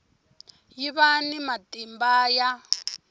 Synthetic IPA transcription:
jiβanimatʼimbaja

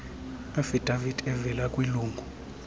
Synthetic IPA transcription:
afidʱʼavidʼɛvɛlakʼwiluːŋɡʱu

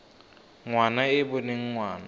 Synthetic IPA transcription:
ŋwanaɪbʊneŋ̩ŋwaːna

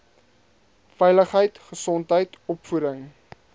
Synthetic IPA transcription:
fɛjləχɦəjtχəsɔntɦəjtɔpfuɾəŋ

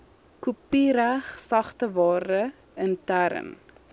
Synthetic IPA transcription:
kupiɾæχsɐχtəvɑːɾə | əntæɾə̰n

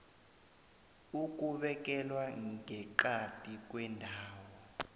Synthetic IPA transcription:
uk̬ʼuɓɛk̬ʼɛlwaɛǃatʼik̬ʼwɛndʱaːwɔ

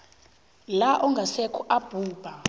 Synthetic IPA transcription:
laʔɔŋɡʱasɛkʰuʔab̥ʱuːb̥ʱa

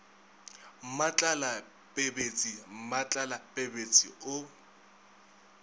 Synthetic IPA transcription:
m̩mat͡ɬʼala | pʼebet͡sʼim̩mat͡ɬʼalapʼebet͡sʼḭʊ

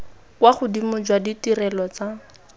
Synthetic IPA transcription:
kwaχʊdimʊd͡ʒwaditirɛlɔt͡sa

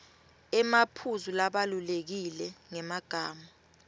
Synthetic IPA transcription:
ɛmapʰuzulaɓalulek̬ilɛŋɛmaɡ̥ʱaːma

